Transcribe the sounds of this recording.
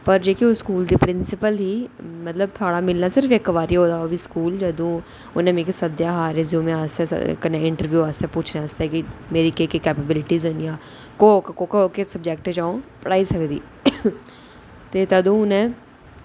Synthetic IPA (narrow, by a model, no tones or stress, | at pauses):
pəɾd͡ʒeːkioskuːld̪iːpɾɪnsɪpəlɦiːmət̪ləb̚t̪ʰaːɽaːmɪlnaːsɪɾəfekʋaːɾiɦoːd̪aːoːʋiːskuːld͡ʒəd̪ũː | ʊnẽːmẽːkisəd̪jaːɦaːɾẽzũːmẽaːst̪ḛːkəneːɪ̃ɳʈəɾʋjuːaːst̪ɛːpuːt͡ʃʰneaːst̪eɛkimeːɾiːkeːkikɛːpəbɪlɪʈiːzɦənjãː | kokkoːkːkesəbd͡ʒɛːk̚ʈẽd͡ʒaːõpəɽaːisəkd̪ḭː | t̪eːt̪əd̪ũːʊnẽː